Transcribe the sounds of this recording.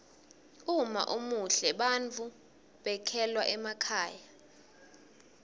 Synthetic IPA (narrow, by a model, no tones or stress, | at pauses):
uma̰ʔumuɬɛɓant͡fʰu | ɓɛkʰɛlwaʔɛmakʰaːja